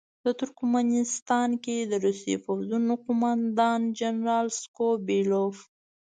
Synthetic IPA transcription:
d̪̥ət̪ʊɾkmanɪst̪ɑnked̪əɾust̪ḛfawzunoqʊmand̪ɑnd͡ʒanɾɑlskobilof

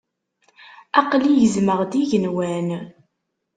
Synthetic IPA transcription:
ɑqlijəzməʁd̪iʝənwæn

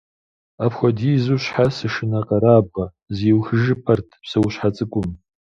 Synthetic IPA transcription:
apʰχʷadizuʃħasɨʂɨnaqʼaɾaːb̚ʁa | ziwxʒɨpʰartʰpsɨwɕʃħat͡sʼɨkʷʼʊm

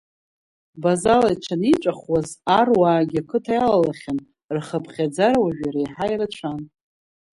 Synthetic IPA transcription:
bazalajt͡ʃʷʰanit͡ʃʷʼaχwazarwaːɡʲɪakʰɨtʰajalalaχʲan | rχəpʰχʲad͡zaɾawaʒᶣaɾajħajrat͡ʃʷʰan

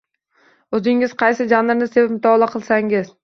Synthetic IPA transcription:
ɵzɪŋɪz̥qʰɑjsɪd͡ʒanɾnɪsepɪpmʊt̪ʰɒːlˠaqʰɨlˠsaŋɪz

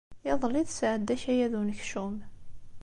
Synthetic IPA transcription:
jɑðˤlːiðsʕəd̪ːæçæjæðunəçʃum

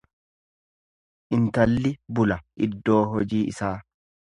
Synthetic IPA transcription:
ʔɪnt̪ɐlːɪbʊlɐʔɪ̰d̪ːo̞ːɦɔd͡ʒiːʔɪsaː

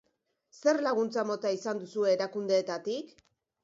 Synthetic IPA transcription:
se̞ɾlaɣ̞unt͡samo̞t̪aisand̪usue̞ːɾakund̪e̞ːt̪at̪ik

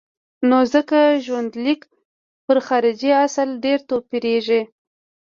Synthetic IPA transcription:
nozəkaʒwand̪lik | pəɾxɑɾɪd͡ʒiasalɖeɾt̪opiɾeʒi

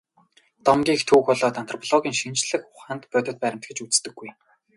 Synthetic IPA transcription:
t̪ɔmɡʲiːxt̪ʰuːxɔɮɔːt̪an̥t̪rɔpʰɔɮɔɣʲiːŋʃint͡ɕɮɘ̆xχʊχaːnt̪pœːt̪ʲɞ̆t̪̚pæɾʲɪ̆m̥t̪ɡɘ̆t͡ɕut͡sst̪ɘ̆ɡːuj

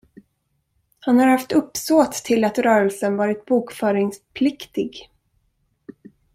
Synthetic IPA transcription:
hanhaɾhaft̪ɵpːsoːt̪ʰːɪlat̪ɾœːɾəlsənvɑːɾɪt̪̚buːkfœːɾɪŋspʰlɪkt̪ɪɡ

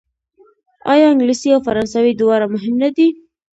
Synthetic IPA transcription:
ɑ̰jɑɪŋɡlisiawfaɾɑnsawid̪ɪwɑɾamʊɦɪmnad̪i

